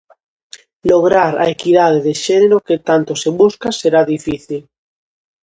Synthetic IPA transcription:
loɣ̞ɾaɾa̰ekiðað̞eðeʃeneɾoket̪ant̪oseβuskaseɾaðifiθil

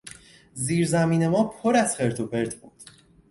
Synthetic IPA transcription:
ziːɾzæmiːne̞mɒːpʰoɾæz̥χe̞ɾt̪ʰobe̞ɾt̪ʰbṵːd̪̥

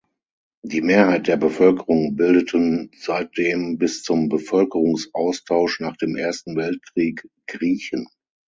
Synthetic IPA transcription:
d̥iːmeːɐhaɪt̚d̥eːɐbəfœlkəʁʊŋbɪldətʰənz̥aɪt̚d̥eːmbɪst͡sʊmbəfœlkəʁʊŋsʔaʊstʰaʊʃnaːχd̥eːmʔeːɐstn̩vɛlt̚kʁ̥iːk | ɡ̥ʁiːçən

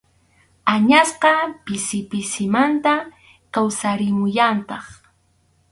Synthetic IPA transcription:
aɲasqɑpɪsɪpɪsɪmant̪a | kawsaɾɪmʊjant̪ɑχ

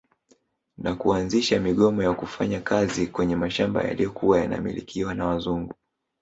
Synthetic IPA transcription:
nakuanziʃamiɠɔmɔjakufaɲakʰazikwɛɲɛmaʃamba̰ja̰lijɔkʰuwajana̰mḭlḭkʰiwanawazuŋɡu

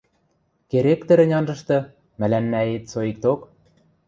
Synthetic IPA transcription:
keɾekt̪ɘ̆ɾɘ̆nʲɑnʒɤ̆ʃt̪ɤ̆ | mælænːæet̪soik̚t̪ok

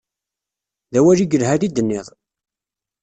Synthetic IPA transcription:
ðæwæʒiɡəlɦæɾid̪ənːɪðˤ

